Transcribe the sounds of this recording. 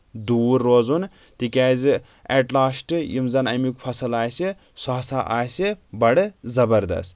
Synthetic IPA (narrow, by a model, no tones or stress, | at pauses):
d̪uːɾːoːzun | t̪ikʲaːzɨ | eʈlaːsʈɨjimzɐnɐ̰mikpʰɐsɐlaːjsi | saːsaʔa̰ːjsibɐɽɨzɐbɐɾd̪ɐ̰st̪